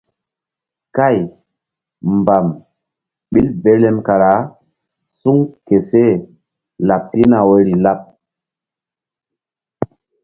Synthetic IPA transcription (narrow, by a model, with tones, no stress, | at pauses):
ka˦˨j | mba˨m | ɓi˦lbe˨˦le˦mka˨ɾa˨˦ | su˦ŋke˨se˦ | la˨pːi˦na˨we˦ɾi˨la˦p̚